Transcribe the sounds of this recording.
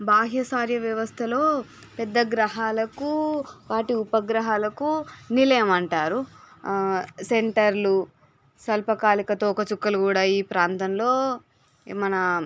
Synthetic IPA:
baːɦjɐsaːɾjɐʋjɐʋɐst̪ʰɐlo̞ː | pɛd̪ːɐɡɾɐɦaːlɐkuʋaːʈiupɐɡɾɐɦaːlɐkunilɐjɐmɐɳʈaːɾu | seɳʈɐɾlu | sɐlpɐkaːlikɐt̪oːkɐt͡ʃukːɐlukuːɽaːiːpɾaːnt̪ɐmlo̞ː | mɐnɐ

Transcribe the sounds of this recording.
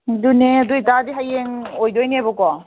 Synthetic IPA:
duneɐduitadiɦajeŋojdojniebɔkɔ

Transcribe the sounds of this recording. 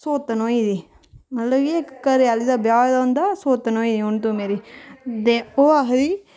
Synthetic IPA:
soːt̪ənoːiːd̪iː | mət̪ləbiekːəɾɪjaːliːd̪aːbjaːjd̪ãːnd̪aːsoːt̪ənoːiːd̪iːʊɳt̪õːmeːɾiːt̪eːoːaɦɾiː

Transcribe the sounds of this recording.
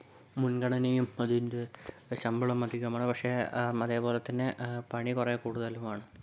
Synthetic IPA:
munɡɐɳɐnejumɐðundeɕɐmbuɭɐmɐd̪ʱikʲːɐmaːɳɨpɐkʂe̞ɐðeːpo̞ːlet̪ːɐnːepɐɳikureːkuːɽuðɐlumaːɳɨ

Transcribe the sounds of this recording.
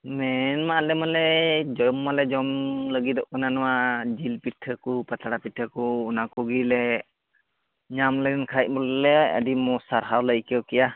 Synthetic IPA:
mɛnmalɛmalɛd͡ʒɔjɔmːalɛd͡ʒɔmləɡid̪ɔʔkɔnanɔwad͡ʒilpitʰːəkupat̪ʰaɽapitʰːəkuːnakuɡilɛ | ɲamləɡinkʰajt̚ˀbɔllɛə̰dimɔsaɾɦawləjkɛwkɛja

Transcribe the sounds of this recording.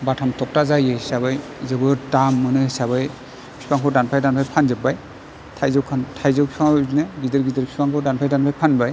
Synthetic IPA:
batʰamtʰɔk̚tazajɯsaβɯjzɯbɯɾtamːɯnɯsaβɯj | pʰi̥pʰaŋkʰɔdanpʰajdanpʰajpʰanzɯbaj | tʰajzɯwkʰantʰajzɯwpʰipʰaŋznɯɡidɯɾɡidɯɾpʰipʰaŋkʰɔdanpʰajdanpʰajpʰanbaj

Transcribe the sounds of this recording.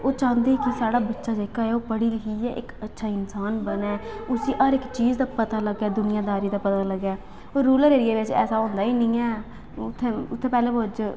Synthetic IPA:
oːt͡ʃãːnd̪eːkɪsaːɽaːbətːʃaːd͡ʒeːkːaːɛːoːpəɽiːləkʰiːɛːʔɪkətːʃʰaːɪnsaːnbənɛːʊsĩːʔəɾɪkt͡ʃiːd͡ʒd̪aːpət̪aːləɡɛːd̪ʊnɪjãːd̪aːɾiːd̪aːpət̪aːləɡɛː | oːɾuːləɾeːɾɪjeːʋɪt͡ʃɛ̰ːsaːõːnd̪aːiːnĩːɛː | ʊt̪ʰːẽːʊt̪ʰːẽːpɛːlẽːoːd͡ʒ

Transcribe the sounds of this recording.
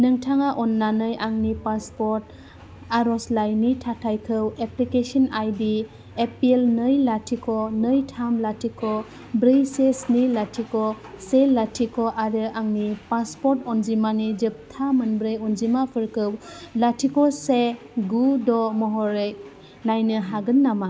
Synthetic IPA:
nɯŋtʰaŋaʔɔnːanɯjaŋnipaspɔɾt | aɾɔslajnitʰatʰajkʰɯweplikesɔnajdi | epielnɯjlatʰikɔnɯjtʰamlatʰikɔ | bɾɯjsesnilatʰikɔ | selatʰikɔʔaɾɯʔaŋnipaspɔɾtɔnzimanid͡ʒɯp̚tʰamɯnbɾɯjɔnzimapʰɯɾkʰɯwlatʰikɔse | ɡudɔmɔɦɔɾej | lajnɯɦaɡɯnːama

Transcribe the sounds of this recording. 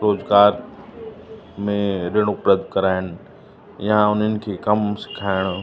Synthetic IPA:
ɾoːzɡaːɾ | mẽɾeɦɽ̃opɾəd̪kɐɾaːɪñɪ̆ | jãʊn̤ənɪ̆kʰeːkɐmsɪ̥kʰaːɪɽ̃

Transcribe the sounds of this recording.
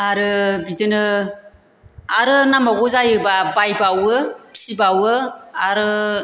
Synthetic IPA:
aɾɯbidɯnɯ | aɾɯnamaɡɔzajɯbabajbawɯpi̥sibawɯaɾɯ

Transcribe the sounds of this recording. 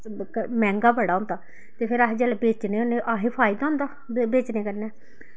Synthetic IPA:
mɛ̃ːŋɡaːbəɽaːʊ̃nd̪aː | t̪eːpʰɪɾaːɦd͡ʒɛːlebeːt͡ʃneːoneʔaɦiːpʰaːɪd̪aːʊ̃nd̪aː | beːt͡ʃneːkəɾnɛː

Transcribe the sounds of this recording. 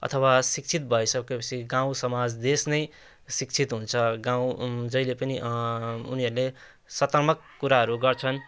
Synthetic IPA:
ʌ̰t̪ʰʌwasik̚t͡sʰit̪̚bʱʌjsʌkojpʌt͡sʰiɡãw̃sʌmad͡zd̪esnʌj | sik̚t͡sʰit̪ɦunt͡sʰʌɡãw̃d͡zʌilepʌniʔṵniʌɾule | sʌt̪ʌrmʌkːuɾaɦʌɾuɡʌrt͡sʰʌn

